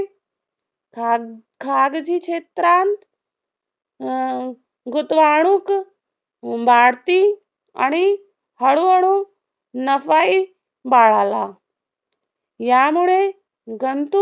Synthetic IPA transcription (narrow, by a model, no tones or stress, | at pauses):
kʰaɡd͡ʑikɕet̪ɾant̪ | ɡut̪ʋaɽ̃uːk | baɽt̪i | a̰ɽ̃i | həɽuɦəɽu | nəfai | baɭala | jamuɭe | ɡənt̪u